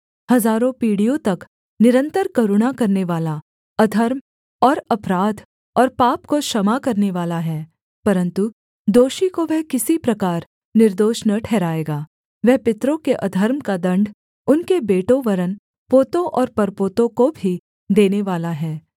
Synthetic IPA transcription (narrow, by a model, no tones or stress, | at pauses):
hɐzaːɾõpiːɽijõt̪ɐk | nɪɾə̃nt̪əɾkɐɾʊɽ̃akɐɾneʋaːla | ɐd̪ʱəɾm | ɔːɾɐpɾaːd̪ | ɔːɾpaːpkoʃɐmakɐɾneʋaːlaɦɛː | pɐɾə̃nt̪u | d̪oːʃikoʋɛɦkɪsipɾɐkaːɾ | nɪɾd̪oːʃnəʈʰɛːɾaːeːɡaː | ʋɛɦpɪt̪ɾõkeʔɐd̪ʱəɾmkad̪ɐ̃ɳɖ | ʊnkebeːʈoʋɐɾən | poːt̪õʔɔːɾpɐɾpoːt̪õkobʱi | d̪eːneʋaːlaɦɛː